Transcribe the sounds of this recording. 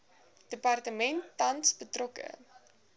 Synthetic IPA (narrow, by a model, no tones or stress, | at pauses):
d̥əpɐrtəmɛntːɐnsbətrɔkə̰